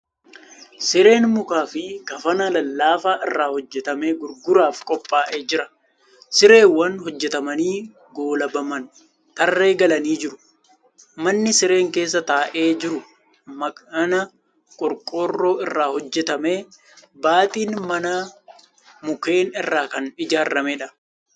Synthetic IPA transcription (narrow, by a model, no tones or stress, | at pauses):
sɪɾe̞ːnmʊkaːfɪɡɐfɐnɐlɐlːaːfaːʔɪrːaːhɔd͡ʒːɛt̪ɐme̞ːɡʊɾɡʊɾaːfkʼɔpʼːaːʔe̞ːd͡ʒɪɾɐ | sɪɾe̞ːwːɐnhɔd͡ʒːɛt̪ɐmɐniː | ɡo̞ːlɐbɐmɐn | t̪ɐrːe̞ːɡɐlɐniːd͡ʒɪɾʊ̥ | mɐnːɪsɪɾe̞ːŋke̞ːs̬ːɐt̪aːʔe̞ːd͡ʒɪɾʊ | mɐkɐnɐ | kʼʊɾkʼoːrːo̞ːɪrːaːhɔd͡ʒːɛt̪ɐme̞ː | baːt̪ʼiːnmɐnɐ | mʊke̞ːnɪrːaːkɐnɪd͡ʒaːɾːɐmeːᶑɐ